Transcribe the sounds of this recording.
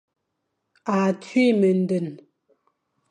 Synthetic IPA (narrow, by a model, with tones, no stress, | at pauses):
a˨tʰɥi˦mə˨n̩˨˦də˨n